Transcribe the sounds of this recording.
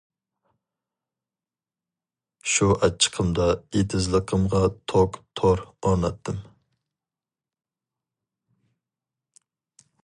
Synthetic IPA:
ʃuʔɛt͡ʃʰːə̥qʰəmd̪ɑet̪ʰɪzlˠəqʰəmʁɑt̪ʰokt̪ʰoɾɑnɑt̪ʰːɪm

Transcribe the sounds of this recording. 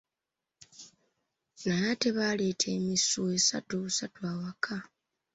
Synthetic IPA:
najate̞βaːle̞ːtʰe̞ːmisue̞sa̰tuβusatwaːwakʰa

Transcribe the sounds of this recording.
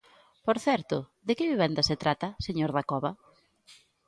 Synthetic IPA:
poɾθɛɾt̪ʊðekɪβiβ̞ɛnd̪ɐset̪ɾat̪ɐseɲoɾðakɔβɐ

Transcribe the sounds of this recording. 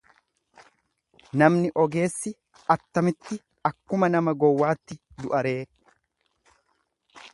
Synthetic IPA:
nɐmnɪʔɔɡe̞ːsːɪ | ɐt̪ːɐmɪt̪ːɪ | ɐkːʊmɐnɐmɐɡɔwːaːt̪ːɪd̪ʊʔɐɾe̞ː

